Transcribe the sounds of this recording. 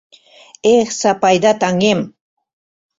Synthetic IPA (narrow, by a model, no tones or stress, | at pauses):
eχsapajd̪at̪aŋem